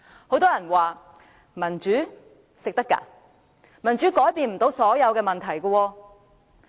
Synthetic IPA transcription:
ho˨˥wt̪ɔː˥jɐ˨˩nwaː˨ | mɐ˨˩nt͡ʃyː˨˥ | sɪ˨k̚t̪ɐ˥kːa̰ː˧ | mɐ˨˩nt͡ʃyː˨˥kɔː˨˥jpiː˧nm̩˨˩t̪o˨˧˥wsɔː˨˥jɐ˨˧wkɛː˧mɐ˨nt̪ʰɐ˨˩jkɔ˧wɔː˧

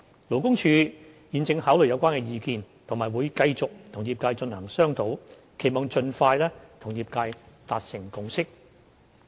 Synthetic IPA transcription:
lo˨˩wkʊ˥ŋt͡ʃʰyː˨˧ | jiː˨nt͡sɪ˧ŋhaː˨˥wlɵ˨jɐ˧wkʷaː˥nkɛː˧jiː˧kiː˧nt̪ʰʊ˨˩ŋmaː˨˩jwuː˨˧jkɐ˧jt͡sʊ˨k̚t̪ʰʊ˨˩ŋjiː˧p̚kaː˧jt͡ʃɵ˧nhœː˨˩ŋsœː˥ŋt̪ʰo˨˥w | kʰe˨˩jmɔː˧ŋt͡ʃɵ˧nfaː˧jlɛː˥t̪ʰʊ˨˩ŋjiː˧p̚kaː˧jt̪aː˨t̚sɪ˨˩ŋkʊ˧ŋsɪ˥k̚

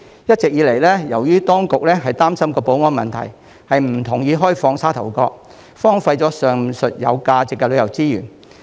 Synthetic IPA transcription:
jɐ˥t̚t͡sɪ˨k̚jiː˨˧˥le˨˩jlɛː˥jɐ˨˩wjyː˥t̪ɔː˥ŋkʊ˨k̚lɛː˥ɦɐ˨jt̪aː˥msɐ˥mkɔː˧po˨˥wŋɔː˥nmɐ̰˨nt̪ʰɐ̰˨˩j | hɐ˨jm̩˨˩t̪ʰʊ˨˩ŋjiː˨˧ɦɔː˥jfɔː˧ŋsaː˥t̪ʰɐ˨˩wkɔː˧k̚ | fɔː˥ŋfɐ˧jt͡sɔː˨˥sœː˨ŋsɵ˨t̚jɐ̰˨˧wkaː˧t͡sɪ˨kːɛ˧lɵ˨˧ɥjɐ˨˩wt͡siː˥jy̰ː˨˩n

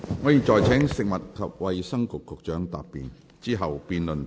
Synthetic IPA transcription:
ŋɔː˨˧jiː˨t͡ʃɔː˨jt͡sʰɛː˨˥ŋsɪ˨k̚mɐ˨t̚kʰɐ˨p̚wɐ˨jsɐ˥ŋkʊ˨kʰːʊ˨˧k̚t͡ʃœː˨˥ŋt̪a̰ː˨˧p̚pːḭː˨˩n | t͡siː˥ɦɐ˨wpiː˨˧nlɵ˨n

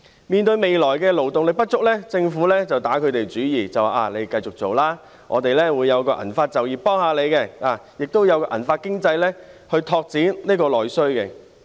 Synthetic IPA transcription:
miː˨nt̪ɵ˧ɥme˨jlɔː˨˩jkɛː˧lo˨˩wt̪ʊ˨ŋlɪ˨˩pɐ˥t̚t͡ʃʊ˥k̚lɛː˥t͡sɪ˧ŋfuː˨˥lɛː˥t͡sɐ˨wt̪aː˨˥kʰɵ˨˧ɥt̪e˨˩jt͡ʃyː˨˥jiː˨˩t͡sɐ˨waː˨ʔaː˨˩le˨˧jkɐ˧jt͡sʊ˨k̚t͡so˨wlaː˥ | ŋʔɔː˨˧t̪e˨jlɛː˥wuː˨˧jːɐ˨˧wkɔː˧ʔɐ̰˨˩nfaː˧t̚t͡sɐ˨˩wjiː˨pɔː˥ŋhaː˨˧le˨˧jkɛ˧aː˨˩jɪ˨k̚t̪wjɐ˨˧wkɔː˧ʔɐ̰˨˩nfaː˧t̚kɪ˥ŋt͡sɐ˧jlɛː˥hɵ˧ɥt̪ʰɔː˧k̚t͡siː˨˥nniː˥kɔː˧lɔː˨˩jsɵ˥ɥkɛ˧

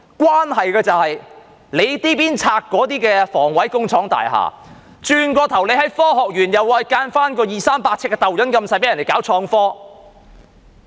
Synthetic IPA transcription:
kwaː˥nɦɐ˨jkɛː˧t͡sɐ˨whɐ˨j | le˨˧jt̪iː˥piː˥nt͡sʰaː˧kːɔː˨˥t̪iː˥kɛː˧fɔː˨˩ŋwɐ˨˥jkʊ˥ŋt͡sʰɔː˨˥ŋt̪a̰ː˨jɦa̰ː˨˩ | t͡ʃyː˧nkɔː˧t̪ʰɐ˨˩wle˨˧jɦɐ˨˥jfɔː˥ɦɔː˨k̚jyː˨˩njɐ˨wwaː˧jkaː˧nfaː˥nkɔː˧jiː˨˩saː˥mpaː˧t̚t͡sʰkːɛː˧t̪ɐ˨wjɐ˨˥nkɐ˧msaː˧jp̬ːjɐ˨ne˨jkaː˨˥wt͡ʃʰɔː˧ŋfɔː˥

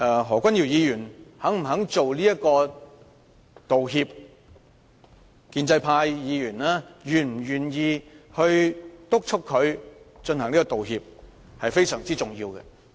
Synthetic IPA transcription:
ɛː˨˧ɦɔː˨˩kʷwʷɐ˥nji˨˩wjiː˨˧jyː˨˩nhɐ˨˥ŋm̩˨˩ɦɐ˨˥ŋt͡so˨wliː˥jɐ˥t̚kɔː˧ | t̪o˨wɦiː˧p̚ | kiː˧nt͡sɐ˧jpʰaː˧jjiː˨˧jyː˨˩nlaː˥jyː˨˩nm̩˨˩jyː˨˩njiː˨˧hɵ˧ɥt̪ʊ˥k̚t͡ʃʰʊ˥kʰːɵ˨˧ɥt͡ʃɵ˧nhɐ˨˩ŋliː˥k̬ːɔː˥˧t̪o˨wɦi˧p̚ | hɐ˨jfe˥jsœː˨˩ŋt͡siː˥t͡sʊ˨˩ŋjiː˧wkɛ̰˧

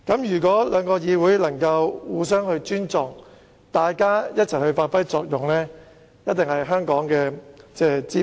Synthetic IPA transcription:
kɐ˨˥mjyː˨˩k̬wɔː˨˥lœː˨˧ŋkɔː˧jiː˨˧wuː˨˥jlɐ˨˩ŋkɐ˧wwuː˨˥s̬œː˥ŋhɵ˧ɥt͡ʃyː˥nt͡sɔː˨˩ŋ | t̪aː˨jkaː˥jɐ˥t̚t͡sʰɐ˨˩jhɵ˧ɥfaː˧t̚fɐ˥jt͡sɔː˧k̚jʊ˨ŋlɛː˥ | jɐ˥t̚t̪ɪ˨ŋhɐ˨jɦœː˥ŋkɔː˨˥ŋkɛː˧t͡sɛː˥˩t͡siː˥

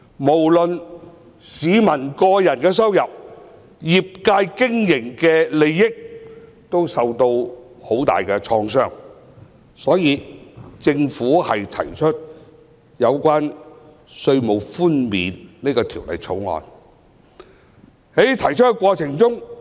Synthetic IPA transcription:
mo˨˩wlɵ˨n | siː˨˧mɐ˨˩nkɔː˧jɐ˨˩nkɛː˧s̬ɐ˥wjɐ˨p̚ | ji˨p̚kaː˧jkɪ˥ŋjɪ˨˩ŋkɛː˧le˨˧jːɪ˥k̚ | t̪o˥wsɐ˨wt̪o˧w | ho˨˥wt̪a̰ː˨jkɛː˧t͡ʃʰɔː˧ŋsœː˥ŋ | sɔː˨˥jiː˨˧t͡sɪ˧ŋfuː˨˥hɐ˨jt̪ʰɐ̰˨˩jt͡ʃʰɵ˥t̚ | jɐ˨˧wkʷaː˥n | sɵ˧ɥmo˨˧wfuː˥nmḭː˨˧nniː˥kɔː˧t̪ʰiː˨˩wlɐ̰˨˩jt͡sʰo̰˨˥wŋɔ̰ː˨˧n | he˨˥jt̪ʰɐ˨˩jt͡ʃʰɵ˥t̚kɛ˧kwɔː˧t͡sʰɪ˨˩ŋt͡sʊ˥ŋ

